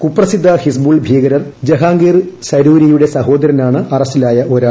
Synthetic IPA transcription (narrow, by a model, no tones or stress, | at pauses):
kupːrɐsid̪ʱːɐhis̬buːɭbʱiːɡɐɾɐrd͡ʑeɦaːŋɡiːrsɐɾuːɾijuɽe̞sɐɦo̞ːd̪ɐɾɐnaːɳɨɐrɐstilaːjɐʔo̞ːɾaː